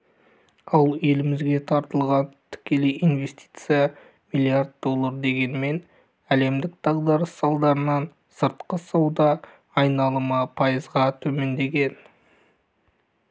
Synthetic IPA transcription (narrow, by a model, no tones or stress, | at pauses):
ɑlˠe̞lɪmɪzɡʲe̞t̪ʰɑɾt̪əlˠʁɑnt̪ʰɪ̥kʲe̞lejijnve̞st̪i̥jt̪sɨjɑ | mijlʲˠijard̪d̪o̞lˠːɑɾd̪e̞ɡʲe̞nme̞n | æle̞md̪ɪk̚d̪̥ɑʁd̪ɑɾəsːɑlˠd̪ɑɾənɑn | səɾt̪qəsɑwd̪ɑː | jnɑlˠəmɑpʰɑjəzʁɑt̪ʰɵme̞nd̪e̞ɡʲe̞n